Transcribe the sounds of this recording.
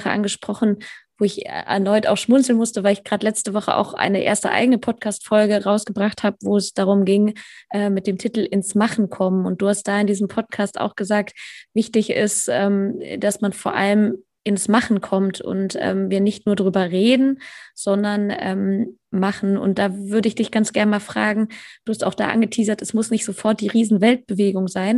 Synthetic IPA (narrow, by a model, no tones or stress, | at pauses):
χəʔa̰nɡəʃpʁ̥ɔχn̩voːɪçɛ̰ʔɛ̰ɐnɔʏta̰ʊxʃmʊnt͡sl̩nmʊstəvaɪlɪçɡ̥ʁaːtlɛt͡stəvɔχə̰ʔa̰ʊxʔa̰ɪnəʔḛːɐstə̰ʔa̰ɪɡənəpʰɔt̚kʰaːstfɔlɡəʁaʊsɡ̥əbʁaχthaːbəvoːɛsd̥aːʁ̞ʊmɡɪŋʔɛːmɪt̚d̥eːmtʰitl̩ɪnsmaχn̩kʰɔmənʊnt̚d̥uːhastd̥aːɪndiːzəm̩pʰɔt̚kʰaːsta̰ʊxɡ̥əzaːktv̥ɪçtɪçɪ̰stʔɛːmd̥asmanfoːɐʔaləm | ʔɪnsmaχn̩kʰɔmtʰʊ̰ntʔɛ̰ːmviːɐnɪçtnuːɐdʁyːbɐʁeːdn̩z̥ɔndɐnʔɛ̰ːm | maχn̩ʊ̰nt̚d̥aːvʏɐdəɪçd̥ɪçɡ̥ant͡sɡ̥ɛɐnəmaːlfʁ̥a̰ːɡŋ̩d̥uːhastaʊxd̥a̰ːʔa̰nɡətʰiːzɐtʰɛsmʊsnɪçtz̥ofɔɐt̚d̥iːʁiːzn̩vɛlt̚b̥əveːɡʊŋzaɪn